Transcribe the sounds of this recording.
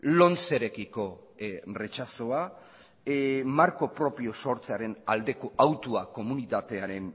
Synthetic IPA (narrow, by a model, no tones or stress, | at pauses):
lo̞nt͡se̞ɾe̞kiko̞re̞t͡ʃaso̞a | maɾko̞pɾo̞pio̞so̞ɾt͡seaɾe̞na̰ld̪e̞koʔawt̪uako̞munit̪at̪e̞aɾe̞n